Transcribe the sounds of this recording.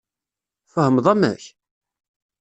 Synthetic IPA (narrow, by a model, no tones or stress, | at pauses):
fəhəmðˤæmæ̰ç